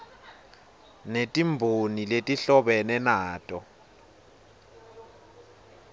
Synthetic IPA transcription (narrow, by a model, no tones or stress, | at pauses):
netʼimbʱoniletʼiɬɔɓɛnɛnaːtʼɔ